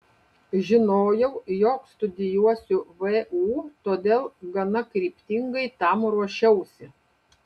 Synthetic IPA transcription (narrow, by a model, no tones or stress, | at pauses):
ʒʲɪnoːjɛʊjoːkst̪ʊd̪ʲɪjuɔsʲʊʋɛuːt̪oːd̪ʲeːlˠɡɐnɐkɾʲiːpʲt̪ʲɪŋɡɐɪt̪ɐmɾuɔʃʲɛʊsʲɪ